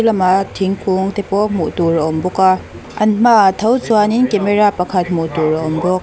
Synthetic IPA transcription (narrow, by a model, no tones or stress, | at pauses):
lɐmaʔt̪ʰiŋkuŋt̪ɛpɔmuʔt̪uraʔɔmbuka | ʔɐnm̥aʔt̪ʰɐwt͡suaninkɛmɛrapɐkʰɐt̪̚m̥ut̪urɐɔmbɔk̚